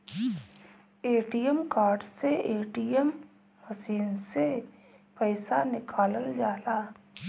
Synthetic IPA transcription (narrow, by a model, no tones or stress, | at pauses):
eːʈijəmkaːɾɖseʔeːʈijəm | həsiːnse | pəɪsanɪkʰaːləld͡ʒaːlaː